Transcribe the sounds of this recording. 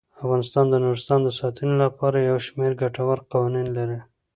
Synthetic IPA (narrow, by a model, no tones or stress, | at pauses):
afɣɑnɪst̪ɑnd̪ənuɾɪst̪ɑnd̪əsɑt̪ʰənolapɑɾajawʃmeɾɡaʈawaɾqɑwɑninlaɾi